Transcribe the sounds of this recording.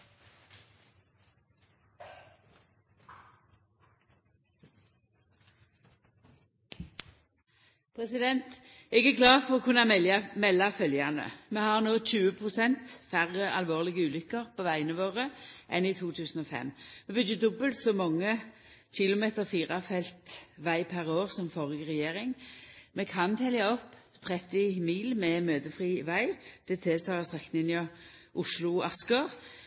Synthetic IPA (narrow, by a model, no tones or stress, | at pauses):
pʰʁɛsɪd̪ɛnt̪ɛːɡæːʁɡlɑːfɔʁoːkʰʉnɑɛɑmɛlːɑfœljɑnə̰meːhɑʁnoːc͡çʉːəpʰʁʊsɛnt̪fæʁəʔɑlʋoːʁlɪɡəʉːlʏkəʁpʰoːʋæɪənəʋoːʁəʔɛnɪt̪ʰuːt̪ʰʉːsən̩ɔfɛ̰mːmɛbʏd̪əd̪ɔbəlt̪sɔmɔŋːəçɪlʊmeːt̪əʁfiːʁɑfɛlt̪ʋæɪpʰæʁoːʁsɔmfɔʁɡəʁɛjeːʁɪŋmɛkʰɑnt̪ʰɛljɑɔpːt̪ʰʁɛt̪ɪmiːlmɛmøːd̪əfʁiːʋæɪd̪̥ɛt̪ʰeːsɔɑɑst̪ʁɛkːnɪnɑʔʊʂlʊɑskəʁ